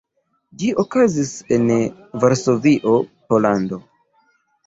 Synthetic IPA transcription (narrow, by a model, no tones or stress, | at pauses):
d͡ʒiʔokazise̞n | vaɾso̞viʔo̞po̞lando